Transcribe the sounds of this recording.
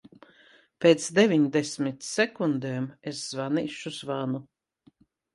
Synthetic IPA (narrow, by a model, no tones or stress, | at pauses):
peːt̪sd̪evʲiɲd̪esʲmit̪sɛkund̪eːmesz̥vaniːʃuzvanu